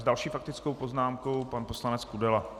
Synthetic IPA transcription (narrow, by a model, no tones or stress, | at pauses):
zdalʃiːfak̚t̪ɪt͡sko̞wpoznaːmko̞wpanposlanɛt͡skudɛla